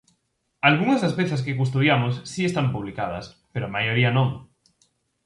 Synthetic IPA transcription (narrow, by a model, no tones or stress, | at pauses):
alɣuŋazðaspeθaskekus̬t̪oðjamosːiest̪ampuβ̞likað̞ɐ̰s | peɾoamajoɾianõŋ